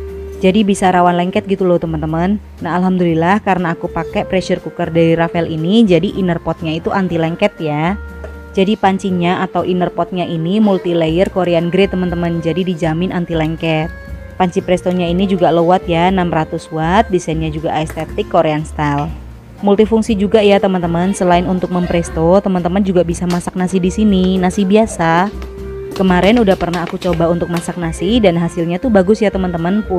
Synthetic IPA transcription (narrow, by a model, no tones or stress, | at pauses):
d͡ʒadibisaɾawanlɛŋkɛt̪̚ɡit̪ulowt̪əmənt̪əmənː | aɦalɦamdulilahkaɾənaːkupakɛpɾɛʃərkukərdaɾiɾafɛlinid͡ʒadiʔinərpɔt̪̚ɲait̪uʔant̪ilɛŋkɛt̪̚ja | d͡ʒadipaɲt͡ʃiɲaat̪awʔinərpɔt̪̚ɲaʔinimult̪ilejərkoɾeanɡɾet̪əmənt̪əmənd͡ʒadidid͡ʒamɪnʔant̪ilɛŋkɛt̪̚ | paɲt͡ʃipɾɛst̪oɲainid͡ʒuɡalowat̪̚janamrat̪ʊswat̪̚disɛnɲad͡ʒuɡaɛst̪et̪ɪkːoɾeanst̪al | mult̪ifuŋsid͡ʒuɡajat̪əmənt̪əmənsəlaɪnunt̪ʊk̚məmpɾɛst̪ot̪əmənt̪əmənd͡ʒuɡabisamasak̚nasidisininasibiasa | kəmaɾɛnudahpərnahakut͡ʃobaunt̪ʊk̚masak̚nasidanɦasɪlɲat̪ubaɡʊsjat̪əmənt̪əmənpʊ